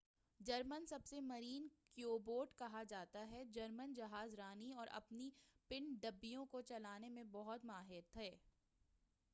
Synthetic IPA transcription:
d͡ʒɐɾmənsɐbsemɐɾiːnkjoːboːɾʈkɐɦad͡ʒaːt̪aɦɛd͡ʒɐɾmənd͡ʒɐɦaːzɾaːniɔːɾʔɐ̰pnipɪɳɖɐbːijõkot͡ʃɐlaːnemẽbɔɦʊt̪maːɦɪɾt̪ʰɛː

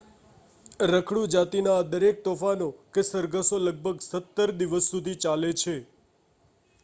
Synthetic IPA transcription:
ɾəkʰɽũd͡ʒat̪inaːd̪əɾek̚t̪ofanokesəɾɡʱəsoləɡ̚bʱəɡsət̪ːəɾd̪iʋəsːud̪ʱit͡ʃalet͡ʃʰe

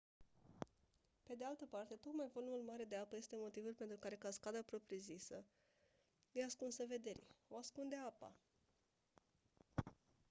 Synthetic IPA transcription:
pe̞d̪ealt̪əpart̪e̞t̪o̞k̪majvo̞lumulmaɾe̞d̪e̞apəje̞st̪e̞mo̞t̪ivulpent̪ɾukaɾe̞kaskad̪apɾo̞pɾijezisə | jeaskunsəve̞d̪e̞ɾḭo̞askund̪e̞apa̰

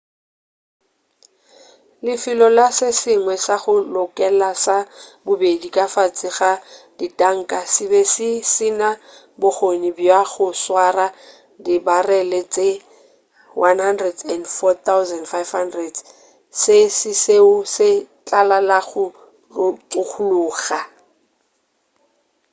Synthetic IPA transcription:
lɪfɪlɔlasɪsɪŋwɛsaχʊlʊkʼɛlasabʊbedikʼafat͡sʼɪχad̥itʼaŋ̩kʼasɪbɛsɪsɪna | bʊχonibjaχʊswara | dɪbarɛlɛt͡sʼe | wʔanhandrɛdɛndfɔtawzɛndfajfhandrɛd | sɪsɪseʊsɪt͡ɬʼalalaχʊ | rʊt͡sʼʊk͡xʰʊlʊːɣa

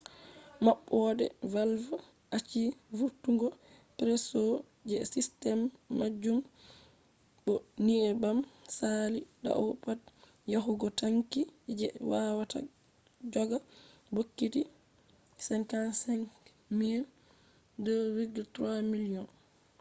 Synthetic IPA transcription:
maɓːɔdɛ̰valv | ʔat͡ʃivuɾtːuŋɡɔ | pɾɛsɔ | d͡ʒɛsistɛmːad͡ʒum | bɔniɛbamsalida̰ʔɔpat | jaɦuɡɔtaŋkid͡ʒɛwawata̰ | d͡ʒɔɡabokːiti | sɛŋkansɛŋk | miɾ | dɔɾiɡtɾamiliɔn

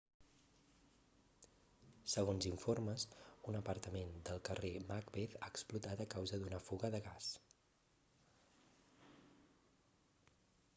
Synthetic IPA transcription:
səɣonziɱforməsunəpəɾt̪əmend̪əlˠkəremakbeθaːksplut̪at̪əkawzəðunəfuɣəðəɣas

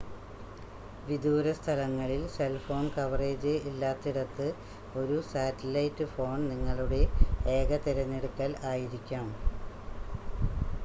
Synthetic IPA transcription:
ʋid̪uːɾɐst̪ʰɐlɐŋːɐɭilse̞lfo̞ːɳkɐʋre̞ːd͡ʑɨilːaːt̪ːiɽɐt̪ːɨ | o̞ɾusaːtːɐlɐjtːɨfo̞ːɳniŋːɐɭuɽe̞eːɡɐt̪iɾɐɲːeɽukːaːlaːjiɾikʲːaːm

